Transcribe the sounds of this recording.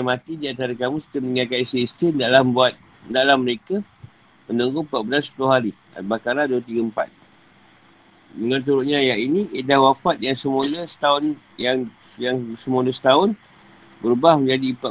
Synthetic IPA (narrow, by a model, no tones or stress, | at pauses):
amat̪idiant̪aɾakamust̪əməŋakat̪isiist̪indalahbuat̪̚ | ndaʔlahməɾeka | mənuŋɡʊŋpat̪̚bəlansə̥pulʊhɦaɾi | a̰bakaɾlahduwət̪iɡəmpa̰t̪̚ | məŋant̪̬uɾʊʔ̚ɲãjaʔiniʔedawapat̪̚jaŋsəmuləsə̥t̪aʊn | jaŋ | jaŋsəmuləsə̥t̪aʊn | bəɾubahməɲd͡ʒadipa